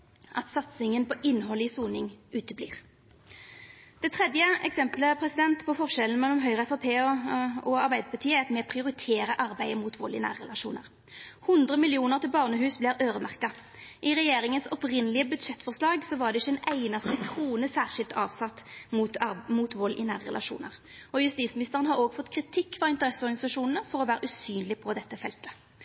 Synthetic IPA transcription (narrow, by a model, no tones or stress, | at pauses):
ʔɑt̪sɑt̪sɪŋənpɔʔɪnːɦɔləisuːnɪŋʉːt̪əblḭːʁ | d̪̥ɛt̪ʰʁɛd̪jəɛksɛmpləpʰʁɛsɪd̪ɛnt̪pʰɔfɔʁʃɛln̩mɛlːɔmɦœʏʁəɛfɑpʰeːɔɑʁbæɪd̪əpɑʁt̪ʰiːəɑt̪mɛpʰʁɪʊʁɪt̪ʰeːɾəʔɑʁbæɪəmuːt̪ʰʋo̰ːlɪnæ̰ːʁɛlɑʃuːnəʁ | hʊnd̪ʁəmɪljɪuːnəʁt̪ʰɪlbɑːʁnəɦʉːsblɪːɾøːʁəmæʁkɑ | ʔɪʁɛjeːɾɪŋənsɔpʁɪnːəlɪəbʉd̪ʂɛt̪ːfɔʁslɑːɡsɔʋɑʁd̪ɛɪçːɛɪnæɪnɑst̪əkʰʁuːnəsæːʁʂɪlt̪ʰɑːʋsɑt̪ːmmuːt̪ʋɔlːʔɪ̰næːʁəʁɛ̰lʔɑʃṵːnə̰ʁɔjʉst̪iːt̪smɪnɪst̪əʁənhɑɾoːɡfɔt̪ːkʰʁɪt̪ʰɪkːfɑʁɪnt̪əʁɛsəɔʁɡnɪsɑʂuːnn̩əfɔʁɔʋæːɾəʉsyːnlɪpʰɔd̪ɛt̪ːəfɛlt̪ə̥